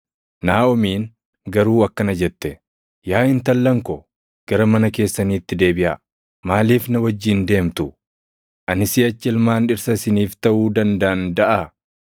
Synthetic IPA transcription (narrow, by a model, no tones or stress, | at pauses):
naːɔmiːn | ɡɐɾuːɐkːɐnɐd͡ʒɛt̪ːɛ | jaːɪnt̪ɐlːɐŋkɔ | ɡ̥ɐɾɐmɐnɐke̞ːsːɐniːt̪ːɪd̪e̞ːbɪʔa | maːliːfnɐwɐd͡ʒːiːnd̪e̞ːmt̪ʊ | ʔɐnɪsiːɐt͡ʃːɛlmaːnᶑɪɾsɐsɪniːft̪ɐʔuːd̪ɐnd̪ɐɐnd̪ɐʔa